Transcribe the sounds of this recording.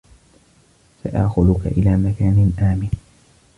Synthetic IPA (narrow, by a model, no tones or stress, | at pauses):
sa̰ʔa̰ːxʊðʊka̰ʔɪlaːmakaːnɪnʔaːmɪn